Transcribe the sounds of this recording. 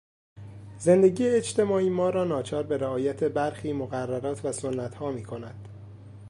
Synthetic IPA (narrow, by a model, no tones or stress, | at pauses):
ze̞nd̪e̞ɟiːjeːt͡ʃt̪ʰe̞mɒːiːmɒːɾɒːnɒːt͡ʃʰɒːɾbe̞ɾæɒːjæt̪ʰe̞bæɾxiːmoɣærːæɾɒːt̪ʰvæsonːæt̪hɒːmiːkʰo̞næd̪̥